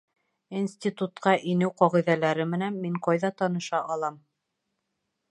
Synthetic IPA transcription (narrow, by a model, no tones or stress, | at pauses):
insʲtʲit̪ut̪qɑʔinɘwqɒʁĭðælæɾɘmɘ̆nænmiɴqɑjðɑt̪ɑnɤ̆ʃɑʔɑlˠɑm